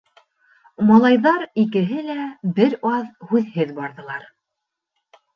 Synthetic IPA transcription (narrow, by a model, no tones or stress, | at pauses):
mɑlˠɑjðɑɾikɘ̆ɦɘlæbɘɾɑðhʉðhɘðbɑɾðɤ̆lˠɑɾ